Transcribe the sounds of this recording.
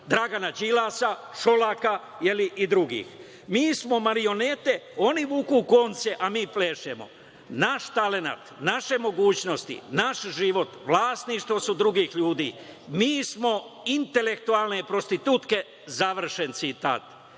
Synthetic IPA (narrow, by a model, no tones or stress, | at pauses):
d̪ɾaːɡanad͡ʑilaːsaʃo̞laka | jeliʔid̪ɾuɡḭːx | miːsmo̞maɾio̞net̪e̞o̞niʋukuko̞nt̪seʔamiːpleːʃemo̞̰ | naʃt̪ale̞na̰t̪naʃe̞mo̞ɡuːt͡ɕno̞st̪ḭnaʃʒiʋo̞t̪ʋlˠaːst̪niʃt̪ʋo̞sud̪ɾuɡiːxʎuːd̪ḭːmiːsmo̞int̪e̞le̞kt̪ualˠne̞pɾo̞st̪it̪uːt̪ke̞ | zaʋr̩ʃe̞nt̪sit̪a̰ːt̪